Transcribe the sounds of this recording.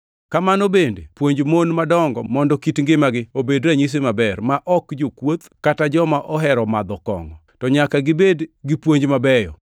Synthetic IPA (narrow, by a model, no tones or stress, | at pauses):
kamanobendepwoɲd͡ʒmonmadɔŋɡɔ̰mɔndɔkitŋɡɪmaɡɪobedɾaɲis̬emabɛrmaʔɔkd͡ʒokwot̪katad͡ʒɔmaʔɔɦɛɾɔmad̪ɔkɔ̰ŋɔ̰tɔɲakaɡɪbedɡɪpwoɲd͡ʒmabɛjɔ̰